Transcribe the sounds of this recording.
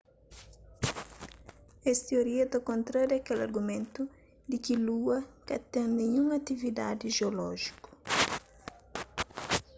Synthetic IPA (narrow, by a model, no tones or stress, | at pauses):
ɛst̪ioɾiɐt̪akõnt̪ɾaɾɐkelɐ̰ɾɡumẽnt̪u | d̪ɪkiluɐkɐt̪ɛ̃ŋnẽɲũŋɐt̪ivid̪a̰d̪iʒeolɔ̰ʒiku̥